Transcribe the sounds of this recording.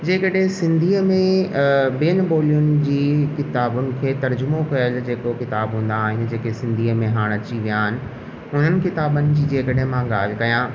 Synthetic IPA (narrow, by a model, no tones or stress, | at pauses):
d͡ʑeːkəɗɦɪ̃sɪ̃nd̪ʱiːəmẽbiənboːlijʊnɪ̆d͡ʑiːkɪt̪aːbʊnɪ̆kʰeːt̪ɐɾd͡ʑʊmokɐjəld͡ʑeːkokɪt̪aːbɦũːn̆d̪aːɦɪnɪ̆d͡ʑeːkesɪ̃nd̪ʱiːəmẽɦaːɽ̃ɐt͡ɕiʋijaːɦɪnɪ̆ | ʊn̤ənɪ̆kɪt̪aːbənɪ̆d͡ʑiːd͡ʑeːkəɗəɦẽmãɠaːl̤ɪ̆kɐjãː